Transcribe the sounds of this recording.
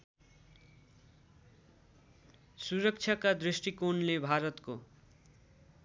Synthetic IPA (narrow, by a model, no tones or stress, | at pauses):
suɾʌk̚t͡ʃʰjakad̪risʈikonlebʱaɾʌt̪ko